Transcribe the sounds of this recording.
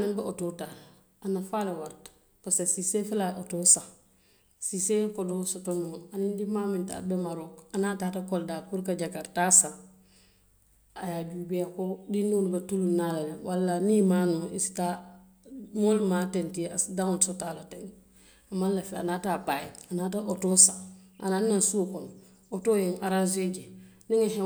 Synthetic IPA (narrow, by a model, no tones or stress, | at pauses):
animbeototaːl | anafalawaɾt | pasesisefilaʔotosã | sisekodosotonuanindimaːmĩnta̰bemaɾokanaːtaːtakoldaːpuɾkaɟakaɾtaːsãŋ | ajaːɟuːbeakodinːulbatulunːalalewʔalːanimaːnuisi̥ta | molmatɛntiasidaŋosotalateŋ | amanlafea̰natapajḛanaːtaotoːsaa̰nanãnsukon | otoːjeŋaɾanzed͡ʒe | niŋaɦɛ